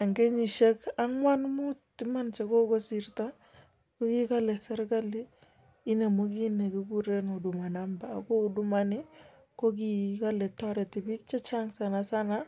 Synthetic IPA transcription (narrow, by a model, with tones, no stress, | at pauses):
a˨ŋɡe˦ɲi˨ʃe˦ka˦ŋwa˦nmu˦ti˦ma˦nt͡ʃe˨˦ko˦ko˦si˨ɾta˦ | ko˦ki˦ka˦lɛ˨sɛ˦ɾka˦li˦ | i˦ne˨mo˦ki˦ne˨ki˦ku˦ɾe˦no˨du˨ma˨na˦mbaː˨ko˦du˦ma˨ni˦ | ko˦k̬i˨ka˦lɛ˨ta˦ɾe˨ti˨bi˦k̚t͡ʃa˦t͡ʃa˦ŋsa˨na˨sa˦na˦